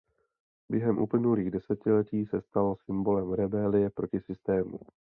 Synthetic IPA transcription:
bjɛɦɛmʔṵplɪnuliːɣdɛsɛcɪlɛciːsɛst̪alsɪmbo̞lɛmɾɛbɛlɪjɛpɾo̞cɪsɪst̪ɛːmṵ

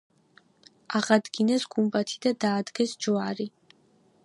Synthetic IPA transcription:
aʁad̪ɡinɛsɡumbat̪ʰid̪ad̪aːd̪ɡɛsd͡ʒɔaɾi

